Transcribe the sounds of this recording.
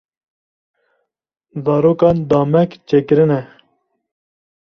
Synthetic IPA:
zɑːɾoːkɑːnd̪ɑːmɛkt͡ʃʰeːkɨɾɨnɛ

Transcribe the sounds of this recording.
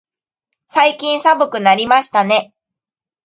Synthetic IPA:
saikʲĩɰ̃sabɯ̟kɯ̟naɾʲimaɕi̥t̪ane̞

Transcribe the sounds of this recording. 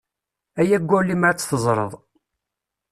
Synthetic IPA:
æjæɡʷːʊlːimʕt͡sːθəzˤɾˤə̰ðˤ

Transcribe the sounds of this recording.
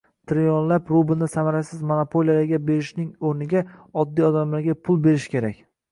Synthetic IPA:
t̪ʰɾjɒnlapɾʊbɪlnɪsamaɾasɪzmonapʰolijalaɾɡʲabe̞ɾɪʃnɪŋoɾnɪɡʲaɒd̪ːijɒd̪amlaɾɡʲapʰʊlˠbe̞ɾɪʃkʲe̞ɾakʲ

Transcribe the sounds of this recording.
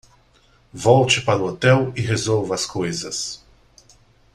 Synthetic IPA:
vɔwt͡ʃɪpaɾʊot̪ɛwɪɦezowvɐskojzɐs

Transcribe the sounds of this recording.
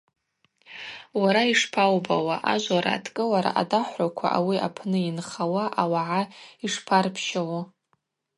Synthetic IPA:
waɾaiʂpʰawbawaʔaʒʷaɾa̰ːtʰkʼɨlaɾa̰ʔa̰daħʷakʷʰa̰ʔawia̰pʰnɨinχawaʔawaʕaiʂpʰarpʰʃawa

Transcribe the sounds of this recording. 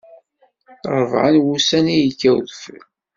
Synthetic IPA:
ɾˤəvʕa̰nwusænijəkːæwðfə̰l

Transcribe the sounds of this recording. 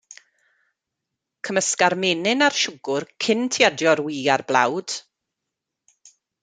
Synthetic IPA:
kʰəməskaɾmɪnɪnarʃʊɡʊrkʰɪntʰɪadjɔrwiːarblˠa̰wd̥

